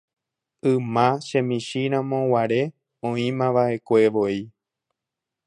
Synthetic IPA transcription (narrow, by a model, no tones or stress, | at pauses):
ɨ̃mãʃẽmĩʃiɾ̃ãmõwaɾe̞ | õĩmãʋaʔe̞kʷeʋoi